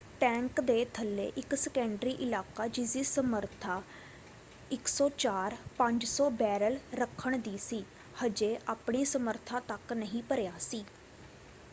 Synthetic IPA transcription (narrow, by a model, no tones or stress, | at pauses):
ʈɛ̃ːŋkd̪eːt̪ʰəlːḛːʔɪksəkɛ̃ɳɖɾiːʔɪlaːkaːd͡ʒɪsiːsəməɾt̪ʰaː | ɪksɔːt͡ʃaːɾpə̃ɲd͡ʒsɔːbɛːɾəlɾəkʰːəɳd̪iːsiː | həd͡ʒeːʔaːpɳiːsəməɾt̪ʰãːt̪əknəɦĩːpəɾjaːsiː